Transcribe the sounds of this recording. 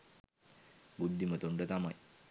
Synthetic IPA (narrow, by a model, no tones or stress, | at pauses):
bud̪ʱːimət̪uɳɖət̪amaj